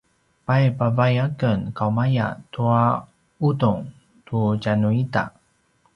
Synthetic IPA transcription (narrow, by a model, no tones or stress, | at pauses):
pajpavajakənkawmaja̰tua | utuŋ | tucanuita̰